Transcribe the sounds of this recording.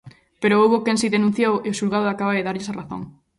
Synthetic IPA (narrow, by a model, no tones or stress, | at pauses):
peɾoowβokẽnsiðenũn̟θjoweʊʃulɣaðʊakaβaðeðaɾʎesaraθõ̰ŋ